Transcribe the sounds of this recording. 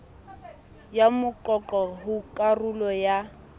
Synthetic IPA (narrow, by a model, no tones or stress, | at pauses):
jamʊǃɔǃɔɦʊkʼarulɔja